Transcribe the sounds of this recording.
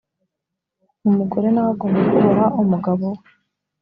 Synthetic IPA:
umuɡo̞ɾe̞nawaɡomakuɾaʔumuɡaβo

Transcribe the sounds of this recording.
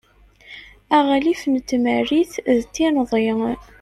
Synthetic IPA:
æʁælifnt̪ːməriθðt̪ːinðˤe

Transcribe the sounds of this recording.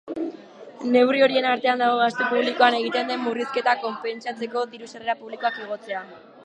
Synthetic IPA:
ne̞wrio̞ɾie̞naɾt̪e̞and̪aɣ̞o̞ɣast̪epuβ̞liko̞ane̞ɣ̞it̪e̞nd̪emːuriske̞t̪ako̞mpe̞nt͡sat͡se̞ko̞ðiɾusere̞ɾapuβliko̞akiɣ̞o̞t͡se̞a

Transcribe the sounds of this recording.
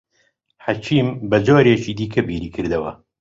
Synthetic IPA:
ħat͡ʃʰiːmbɐd͡ʒoːɾeːt͡ʃiːd̪iːkʰɐbiːɾiːkʰɨɾd̪ɐwɐ̰

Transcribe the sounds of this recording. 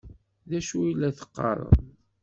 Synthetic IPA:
ðæʃuilːæθə̥qːɑ̰ɾˤə̰ðˤ

